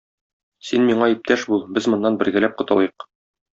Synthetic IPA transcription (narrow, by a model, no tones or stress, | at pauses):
sinmiɴɑip̚t̪æʃbulˠbɘzmŏnːɑnbɘ̆ɾɡælæp̚qŏt̪ɑ̰lˠjɤq